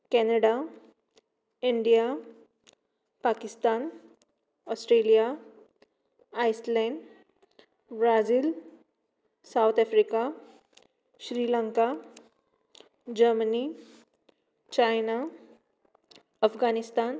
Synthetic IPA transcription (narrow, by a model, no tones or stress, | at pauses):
kɛnəɽa | iɳɖija | pakist̪an | ɔsʈɾelija | ajslɛ̃ɳɖ | bɾad͡ziːl | sawt̪ʰɛfɾika | ɕɾilãŋka | d͡ʑəɾməni | t͡ɕajna | əfɡanist̪an